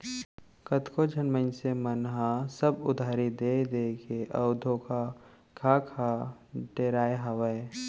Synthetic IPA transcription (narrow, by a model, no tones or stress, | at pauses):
kət̪kod͡ʒʱənmənsemənɦasəbʊd̪ʱaːɾid̪eːd̪eːkeʔəʊd̪ʱoka | kʰakʰaʈeɾaːeɦɐwəe